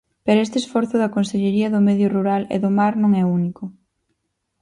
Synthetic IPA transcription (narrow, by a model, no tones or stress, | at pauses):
peɾoest̪esfɔɾθʊðɐkonseʎeɾiɐðʊmeðjʊruɾalḛðʊmaɾnõŋɛunikʊ